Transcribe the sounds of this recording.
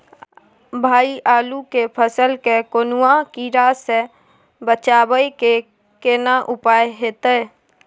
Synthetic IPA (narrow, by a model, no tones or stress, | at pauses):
bʱaːiʔaːlukepʰəsəlkekonuãkiɾase | bət͡ʃaːbəike | kenaʔupajɦet̪əj